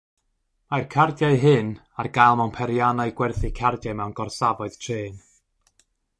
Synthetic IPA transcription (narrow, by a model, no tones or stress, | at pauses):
majrkʰardjaɨɦɨn | arɡajlˠmɛwnpʰɛɾjanaɨɡwɛrθikʰardjaɨmɛwnɡ̥ɔrsavɔɨð̥tʰreːn